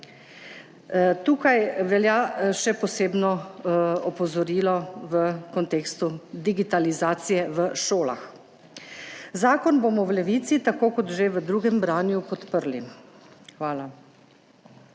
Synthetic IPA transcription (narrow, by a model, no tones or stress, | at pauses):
t̪uːkajʋɛljaʃɛpɔseːbnɔ | ɔpɔzɔɾiːlɔʋəkɔnt̪eːkst̪ud̪iɡit̪alizaːt̪sijɛʋəʃoːla̰x | zaːkɔnboːmɔwlɛʋiːt̪sit̪akoːkɔt̪ʒeʋəd̪ɾuːɡɛmbɾaːnjupɔt̪pəɾli | xʋaːla